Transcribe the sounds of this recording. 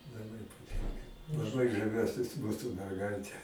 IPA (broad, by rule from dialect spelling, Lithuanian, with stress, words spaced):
lˠɐˈbɐɪ pɐˈtʲɪŋkɐ lˠɐˈbɐɪ ʒɐˈʋʲuɔsʲɪs ˈmuːsʊ mʲɛrˈɡɐɪtʲɛ